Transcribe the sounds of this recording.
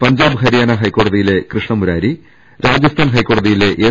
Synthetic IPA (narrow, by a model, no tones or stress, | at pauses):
pɐɲd͡ʑaːbɦɐɾijaːnɐɦɐjkːo̞ːɽɐðijile̞krɨʂɳɐmuɾaːɾi | ɾaːd͡ʑɐst̪ʰaːnɦɐjkːo̞ːɽɐðijile̞ʔeː